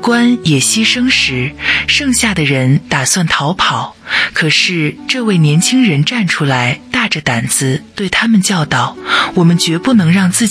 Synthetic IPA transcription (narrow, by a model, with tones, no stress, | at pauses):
kwa˥njɛ˨˩ɕi˥ʂɤ˥ŋʂɻ̩˧˥ʂɤ˥˧ŋɕja˥˩d̪ə˩ɻə˧˥nt̪a˨˩swa˥˩nt̪ʰɑ˧˥ʊpʰɑ˨˩˦ʊkʰɤ˨˩ʂɻ̩˥˧ʈ͡ʂɤ˥˧we˥˩ɪnjɛ˧˥nt͡ɕʰi˥ŋɻə˧˥nʈ͡ʂa˥˩nʈ͡ʂʰu˥la˧˥ɪt̪a˥˩ʈ͡ʂə˩t̪a˨˩nt͡sɹ̩˧t̪we˥˩ɪt̪ʰa˥mə˨nt͡ɕjɑ˥˧ʊt̪ɑ˨˩ʊwɔ˨˩mə˧˦nt͡ɕɥɛ˧˥pu˥˩nɤ˧˥ŋɻɑ˥˧ŋt͡sɹ̩˥˩